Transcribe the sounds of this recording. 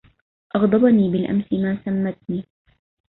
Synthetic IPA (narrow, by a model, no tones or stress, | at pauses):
ʔɑɣd̪ˤɑbɑniːbɪlʔa̰msɪmaːsamːat̪̚niː